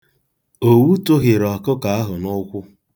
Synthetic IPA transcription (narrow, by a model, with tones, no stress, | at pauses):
o˨wu˦to˦ɣɪ˨ɾɔ˨kʊ˦ka˨a˦ɦʊ˨nʊ˦kʷʊ˦